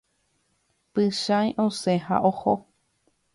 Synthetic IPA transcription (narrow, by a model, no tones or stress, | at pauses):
pɨʃãjʔosẽɦa̰ʔoho